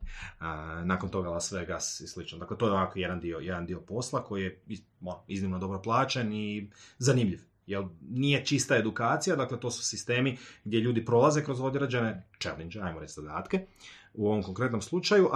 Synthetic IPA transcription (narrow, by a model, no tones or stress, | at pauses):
naːkont̪o̞ɡalasʋeɡasjislit͡ʃnod̪akle̞t̪o̞ːjeoʋakoje̞d̪and̪iojed̪and̪io̞po̞slˠako̞jijei | moɾiznimnod̪o̞bɾo̞plˠaːt͡ʃenizanimʎiʋ | jelˠnije̞t͡ʃist̪ae̞d̪ukaːt̪sijad̪akle̞t̪o̞ːsu̥sist̪e̞ːmiɡd̪ʲje̞ʎuːd̪ipɾo̞lˠaze̞kɾozod̪ʲeɾad͡ʒenet͡ʃḛlind͡ʒeajmoɾe̞t͡ʃ̪sizad̪aːt̪keuo̞ʋomko̞ŋkɾe̞t̪no̞mslˠut͡ʃajuʔ